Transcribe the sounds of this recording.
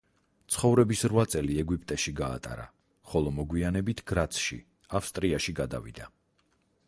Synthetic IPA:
t̪sʰχɔvɾɛbisɾwat̪sʼɛliɛɡwipʼt̪ʼɛʃiɡa̰ːt̪ʼa̰ɾa̰ | χɔlˠɔmɔɡwianɛbit̪ʰɡ̥ɾat̪sʰʃḭ | afst̪ʼɾiaʃiɡad̪a̰vḭd̪a

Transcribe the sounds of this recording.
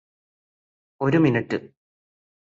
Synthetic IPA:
o̞ɾuminiʈːɨ

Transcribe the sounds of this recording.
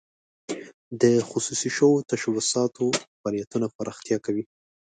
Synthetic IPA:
d̪əxʊsusiʃowot̪aʃawʊsɑt̪ʰofɑlijat̪unapəɾɑxt̪jɑkawi

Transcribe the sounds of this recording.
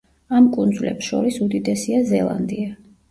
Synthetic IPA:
amkʼund̪zvlɛ̰psʃɔ̰ɾisud̪id̪ɛsiazɛlˠa̰nd̪ia

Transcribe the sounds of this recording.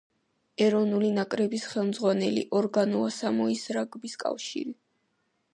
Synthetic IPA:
ɛɾɔvnulinakʼɾɛbisχɛlˠmd̪zʁwanɛlḭʔɔɾɡanuasamɔisɾaɡbiskʼa̰fʃḭɾi

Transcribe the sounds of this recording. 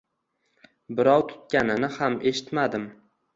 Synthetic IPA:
bɪɾɒwt̪ʰʊ̥t̪̚kʲanɪnɪhamʔe̞ʃɪt̪mad̪ɪm

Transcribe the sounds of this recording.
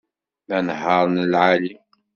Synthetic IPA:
mænhɑɾˤnlʕali

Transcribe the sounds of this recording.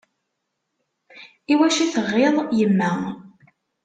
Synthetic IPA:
iwæʃiθəʁːɪðˤjəmːæ

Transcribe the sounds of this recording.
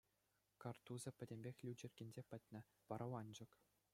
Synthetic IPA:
kɑrt̪uzɤ̆pʲɘ̆dʲemʲbʲexʲlʲid͡ʑɘ̆rʲɡʲĕnʲzʲepʲɘ̆tʲnʲɘ̆ | ʋɑɾɑwɑnʲd͡ʑɤ̆k

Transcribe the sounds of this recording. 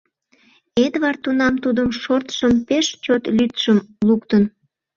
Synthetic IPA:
ed̪βɑrt̪unɑmt̪ud̪əmʃort̪ʃəmpeʃt͡ɕot̪lyt̪ʃəmlukt̪ən

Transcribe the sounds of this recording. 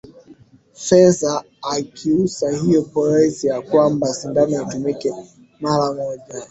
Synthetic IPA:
fɛzaː | kʰiusahijɔpɔɾasijakwambasindanaatumikɛ | maɾawaʄa

